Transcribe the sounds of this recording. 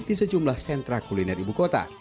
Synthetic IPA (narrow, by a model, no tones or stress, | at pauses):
disəd͡ʒumlahsɛnt̪ɾakulinɛribukot̪a̰